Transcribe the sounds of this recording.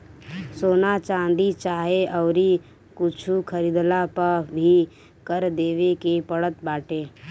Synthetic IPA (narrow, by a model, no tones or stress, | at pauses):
soːnat͡ʃãːnd̪it͡ʃaːɦeʔɔːɾi | kʊt͡ʃʰukʰəɾid̪lapəɾbʱi | kəɾd̪eːʋekepəɽət̪baːʈeː